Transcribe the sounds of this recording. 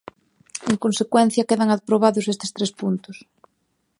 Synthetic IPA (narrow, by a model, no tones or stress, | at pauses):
eŋkonsekwɛn̟θjɐkeðɐŋað̚pɾoβaðʊsest̪ɪ̥st̪ɾespunt̪ʊs